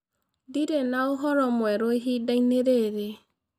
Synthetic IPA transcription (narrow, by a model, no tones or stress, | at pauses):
diɾenaoɦɔɾɔmwɛɾoeɦidaineɾeɾe